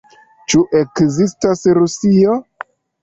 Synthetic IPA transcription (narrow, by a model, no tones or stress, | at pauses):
t͡ʃuʔe̞kzistasɾusio